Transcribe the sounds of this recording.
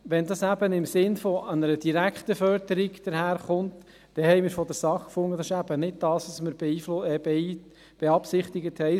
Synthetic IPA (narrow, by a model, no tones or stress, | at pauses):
ʋɛndɑsæb̥ənɪmsɪnfɔɑnəɾədiɾækχt̪əfœɾd̪əɾiɡd̪̥əɾhæːɾχʊnt | d̥ɛhɛɪjmɪːɾfɔdəɾsɑχkfʊŋːədɑsɪʃæb̥ənɪd̚d̥ɑːsʋɑsməɾbi | b̥eɑpsɪχt̪ɪɡəthɛɪ